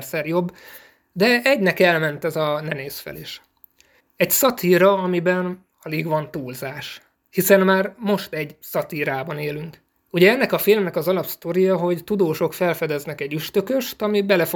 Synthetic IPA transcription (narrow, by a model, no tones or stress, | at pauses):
rsɛrjo̞bː | d̪ɛɛɟnɛkɛlmɛnt̪ɛzɒnɛneːsfɛ̰liʃ | ɛɟsɒt̪iːɾɒɒmibɛn | ɒleːɡʋɒnt̪uːlzaːʃ | hisɛnmaːrmo̞ʃt̪ɛɟsɒt̪iːɾaːbɒneːlyŋk | uɟɛɛnːɛkɒfilmnɛkɒzɒlɒpst̪oɾijɒɦo̞ɟt̪ud̪oːʃo̞kfɛlfɛd̪ɛznɛkɛɟyʃt̪ø̞køʃt̪ɒmibɛlɛf